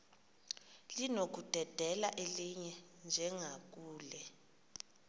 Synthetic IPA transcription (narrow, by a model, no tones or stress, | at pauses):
linok̬ud̥ʱɛd̥ʱɛlaʔeliɲɛ | nd͡ʒʱɛŋak̬uːlɛ